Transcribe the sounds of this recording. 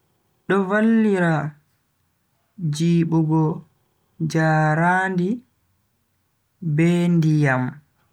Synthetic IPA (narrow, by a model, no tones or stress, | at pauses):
ɗɔvalːiɾa | d͡ʒiːɓuɡɔ | d͡ʒaːɾaːndi | bɛndijam